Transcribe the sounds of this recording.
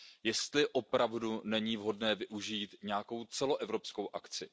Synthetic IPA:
jɛst̪lɪʔo̞pɾavdunɛɲiːvɦo̞dnɛːvɪʔuʒiːt̪ɲɛako̞wt͡sɛlo̞ʔɛvɾo̞psko̞wʔakt͡sɪ

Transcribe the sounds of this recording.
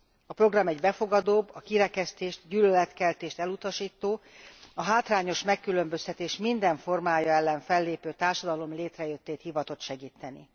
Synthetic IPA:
ɒpro̞ɡrɒmɛɟbɛfo̞ɡɒd̪oːbːɒkiɾɛkɛst̪eːʃt̪ɟyːlølɛt̪kɛlt̪eːʃt̪ɛlut̪ɒʃiːt̪ːoːɒɦaːt̪raːɲo̞ʃmɛkːylømbø̞st̪ɛt̪eːʃmind̪ɛɱfo̞rmaːjɒɛlːɛɱfɛlːeːpøːt̪aːrʃɒd̪ɒlo̞mleːt̪rɛjøt̪ːeːt̪hivɒt̪o̞t̪ʃɛɡiːt̪ːɛnḭ

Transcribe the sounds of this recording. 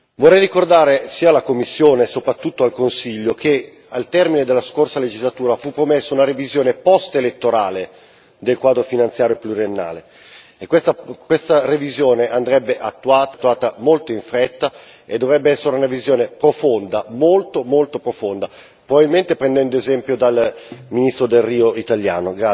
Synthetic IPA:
vorɛjrikord̪aːɾesiːalakomːisːjoːnesopɾat̪ːut̪ːoalkonsiʎːok̟ʰe | alt̪ɛrmined̪elːaskorsaled͡ʒizlat̪uːɾafupːɾomesːaunaɾevizjoːnepɔst̪elet̪ːoɾaːle | d̪elkwaːd̪ɾofinant̪sjaːɾjoepluɾienːa̰ːle | ekːwest̪akwest̪arevizjoːneʔand̪ɾɛbːeʔat̪ːuaːt̪ːuaːt̪amolt̪oiɱfɾɛt̪ːaed̪ːovɾɛbːeɛsːeɾeunavizjoːnepɾofond̪amolt̪omolt̪opɾofond̪a | pɾobabilment̪epɾend̪ɛnd̪oezɛmpjod̪alminist̪ɾod̪elriːoit̪alja̰ːnoɡɾa

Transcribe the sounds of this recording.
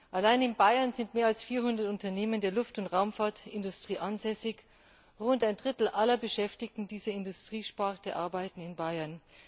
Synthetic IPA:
ʔalaɪnɪnbaɪɐnzɪntmeːɐalsfiːɐɦʊndɐtʊntɐneːməndeːɐlʊftʊntʁaʊmfaːɐtɪndʊstʁ̥iːʔanzɛsɪç | ʁʊntaɪndʁɪtl̩ʔalɐbəʃɛftɪçtn̩diːzɐɪndʊstʁ̥iːʃpaʁtəʔa̰ɐbaɪtn̩ɪnbaɪɐn

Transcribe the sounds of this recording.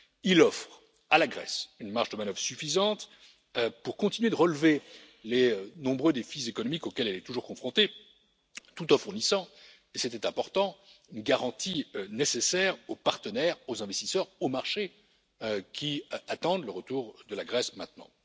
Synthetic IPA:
ilɔfχ | alaɡʁɛ̰synmaʁʒd̪əmanœvʁsyfizɑ̃t̪ | puʁkɔ̃t̪inyɥed̪əʁəlve | leønɔ̃bʁød̪efizekɔnɔmikokʲɛlɛlɛt̪uʒuʁkɔ̃fχɔ̃t̪e | t̪ut̪ɔ̃fuʁnisɑ̃ | esɛt̪ɛt̪ɛ̃pɔʁt̪ɑ̃ynɡaʁɑ̃t̪iønesesɛʁopaʁt̪ənɛʁozɛ̃vɛst̪isœʁomaʁʃe | kʲʰiat̪ɑ̃d̪ləʁət̪uʁd̪əlaɡʁɛsmɛ̃t̪nɑ̰̃

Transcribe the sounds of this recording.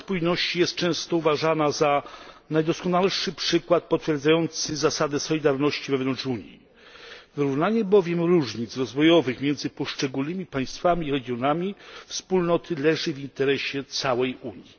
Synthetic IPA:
spujnɔɕt͡ɕijɛst̪̚t͡ʂɛ̃w̃st̪ɔuvaʐanazanajd̪ɔskɔnalʂɘpʂɘkwat̪̚pɔt̪fʲjɛɾd̪zajɔnt̪sɘzasad̪ɛsɔlʲid̪aɾnɔɕt͡ɕivɛvnɔnt͡ʂuɲjḭ | vɘɾuvnaɲɛbɔvʲjɛmɾuʐɲit̪sɾɔzvɔjɔvɘxmʲjɛnd̪zɘpɔʂt͡ʂɛɡulnɘmʲipaj̃st̪famʲiɾɛɡʲjɔnamʲifspulnɔt̪ʰɘlɛʐɘvint̪ɛɾɛɕɛt̪sawɛjuɲi

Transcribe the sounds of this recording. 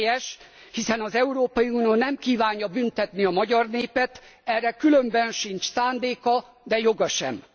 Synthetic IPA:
jɛʃ | hisɛnɒzɛuɾoːpɒjiunioːnɛmkiːvaːɲjɒbynt̪ɛt̪niɒmɒɟɒrneːpɛt̪ | ɛrːɛkylømbɛnʃint͡ʃsaːnd̪eːkɒ | d̪ɛjo̞ɡɒʃɛ̰m

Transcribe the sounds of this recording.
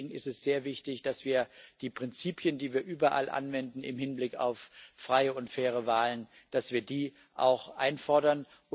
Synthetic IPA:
ɡŋ̩ɪstɛsz̥eːɐvɪçtɪçd̥asv̥iːɐd̥iːpʁ̥ɪnt͡siːpʰjəndiːviːɐʔyːbɐʔa̰lʔa̰nvɛndn̩ɪ̰mhɪnblɪka̰ʊfːʁ̥aɪəʊntfɛːʁ̞əvaːlən | d̥asv̥iːɐdiː | ʔa̰ʊxʔa̰ɪnfɔɐdɐn

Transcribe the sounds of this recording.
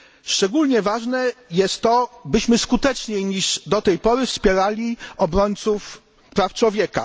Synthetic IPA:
ʂt͡ʂɛɡulɲɛvaʐnɛjɛst̪ːɔbɘɕmɘskut̪ɛt͡ʂɲejɲiʐd̪ɔt̪ɛjpɔɾɘfspʲjɛɾalʲiɔbɾɔɲt̪suf | pɾaft͡ʂwɔvʲjɛka̰

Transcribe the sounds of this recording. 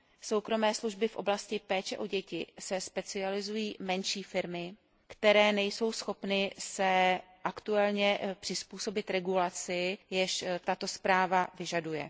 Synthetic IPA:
so̞wkɾo̞mɛːsluʒbɪfʔo̞̰blascɪpɛːt͡ʃɛʔo̞ɟɛcɪsɛspɛt͡sɪalɪzujiːmɛnʃiːfɪɾmɪ | kt̪ɛɾɛːnɛjso̞wsxo̞pnɪsɛ | ʔakt̪uɛlɲɛpr̥ɪspuːso̞bɪt̪ɾɛɡulat͡sɪjɛʃt̪at̪o̞spɾaːvavɪʒadujɛ̰

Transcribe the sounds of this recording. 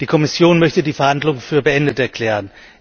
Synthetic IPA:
d̥iːkʰɔmɪsjoːnmœçtədiːfɛɐhandlʊŋənfyːɐbəʔɛndətɛɐkʰl̥ɛːʁ̞ən

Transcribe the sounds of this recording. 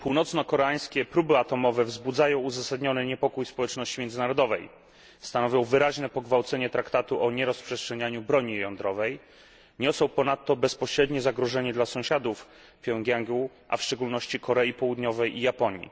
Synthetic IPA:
puwnɔt̪snɔkɔɾɛaj̃skʲɛpɾubɘat̪ɔmɔvɛvzbud̪zajɔ̃w̃uzasad̪ɲɔnɘɲɛpɔkujspɔwɛt͡ʂnɔɕt͡ɕimjɛnzɘnaɾɔd̪ɔvɛj | st̪anɔvʲjɔ̃w̃vɘɾaʑnɛpɔɡvawt̪sɛɲɛt̪ɾakt̪at̪uʔɔɲɛɾɔspʂɛstʂɛɲaɲubɾɔɲijɔnd̪ɾɔvɛj | ɲɔsɔ̃w̃pɔnat̪ːɔbɛspɔɕɾɛd̪ɲɛzaɡɾɔʐɛɲɛd̪lasɔ̃w̃ɕad̪uf | pʲjɔŋɡʲaŋɡu | ʔa̰fʂt͡ʂɛɡulnɔɕt͡ɕikʰɔɾɛjipɔwud̪ɲɔvɛjʔijapɔɲḭ

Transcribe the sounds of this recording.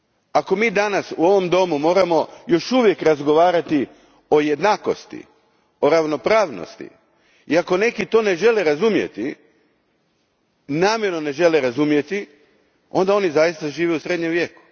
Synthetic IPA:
ako̞miːd̪anasuo̞ʋo̞md̪o̞mumo̞ːɾamo̞jo̞ʃuʋje̞kɾazɡo̞ʋaːɾat̪i | o̞je̞d̪naːko̞̰st̪ḭ | o̞ɾaʋno̞pɾaːʋno̰st̪ḭ | iako̞ne̞kit̪o̞ːne̞ʒe̞leɾazumje̞̰t̪i | naːmjeɾnone̞ʒe̞leɾazumje̞t̪i | o̞nd̪ao̞nizajist̪aʒiːʋeusɾed̪ɲemʋje̞ːku̥

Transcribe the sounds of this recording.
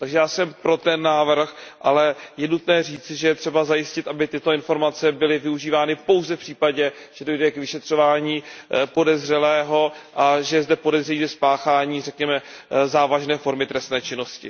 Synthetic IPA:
t̪aɡʒɛjaːsɛmpɾo̞t̪ɛnːaːvr̩xʔalɛjɛnut̪nɛːriːt͡sɪʒɛjɛt̪r̝̥ɛbazajɪscɪt̪ʔabɪt̪ɪt̪oɪnfo̞ɾmat͡sɛbɪlɪvɪuʒiːvaːnɪpo̞wzɛfpr̝̥iːpaɟɛ | ʒ̥ɛdo̞jdɛkvɪʃɛt̪r̝̥o̞vaːɲiːpo̞dɛzrɛlɛːɦo̞ʔaʒɛzdɛpo̞dɛzrɛjiːzɛspaːxaːɲiːrɛkɲɛmɛzaːvaʒnɛːfo̞ɾmɪt̪ɾɛst̪nɛːt͡ʃɪno̞scɪ̰

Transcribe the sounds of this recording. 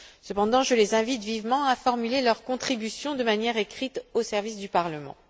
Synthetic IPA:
səpɑ̃d̪ɑ̃ʒəlezɛ̃vit̪vivmɑ̃afɔʁmylelœʁkɔ̃t̪χibysjɔ̃d̪əmanjɛʁekχit̪osɛʁvisd̪ypaʁləmɑ̰̃

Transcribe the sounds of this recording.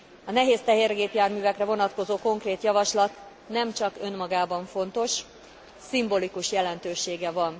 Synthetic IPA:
ɒnɛɦeːst̪ɛɦeːrɡeːpjaːrmyːvɛkrɛvo̞nɒt̪ko̞zoːko̞ŋkreːt̪jɒvɒʃlɒt̪ | nɛmt͡ʃɒkø̞nmɒɡaːbɒɱfo̞nt̪o̞ʃ | simbolikuʃjɛlɛn̪t̪øːʃeːɡɛvɒn

